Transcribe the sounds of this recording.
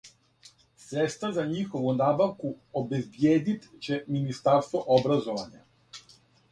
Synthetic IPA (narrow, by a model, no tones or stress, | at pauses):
sɾɛt̪st̪vazaɲixoʋunabaʋkuobɛzbjeːd̪it̪t͡ɕɛminist̪aɾst̪vɔʔobɾazɔʋaɲa